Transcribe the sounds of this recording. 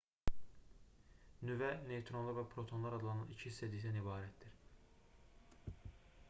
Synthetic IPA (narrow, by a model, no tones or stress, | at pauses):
nyvænet̪ʰɾonlˠɑɾvæpʰɾot̪ʰo̞nlˠɑɾɑd̪ɯlˠɑnɑnicʰiist̪ed̪id̪ænibɑːɾæt̪d̪iɾ